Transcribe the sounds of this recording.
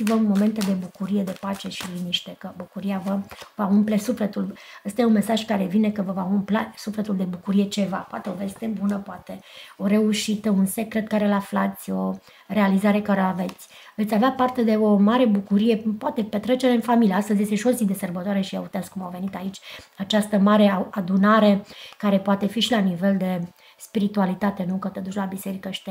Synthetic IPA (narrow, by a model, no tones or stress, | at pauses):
ivəunmo̞me̞nt̪ed̪e̞bukuɾije̞d̪e̞pat͡ʃe̞ʃiliniʃt̪e̞kəbukuɾiavəvaumple̞sufle̞t̪uləst̪ajeunme̞saʒkaɾe̞vine̞kəvəvaumplasufle̞t̪uld̪e̞bukuɾije̞t͡ʃe̞vapoa̰t̪e̞o̞ve̞st̪e̞bunəpoat̪e̞o̞ɾe̞uʃit̪əunse̞kɾe̞t̪̚kaɾeɨlaflat̪sʲo̞ | re̞alizaɾe̞kaɾeave̞t̪sʲ | ve̞t̪sʲaveapart̪e̞d̪e̞o̞maɾe̞bukuɾije̞poat̪e̞pet̪ɾe̞t͡ʃeɾeɨnfamilieast̪əzjest̪eʃosid̪e̞sərbət̪oaɾe̞ʃiaut̪easkumawve̞nit̪ait͡ʃʲat͡ʃast̪əmaɾe̞aad̪unaɾe̞kaɾe̞poat̪e̞fiʃilanive̞ld̪e̞ | spiɾit̪ualit̪at̪e̞nukət̪ed̪ut͡ʃʲlabise̞ɾikəʃi̥t̪e